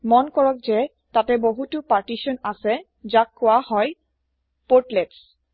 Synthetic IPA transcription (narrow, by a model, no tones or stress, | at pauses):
mɔnkɔɹɔk̚zɛ | tatɛboɦutʊpaɹtisɔnasɛ | zakːʊwahɔj | poɹtlets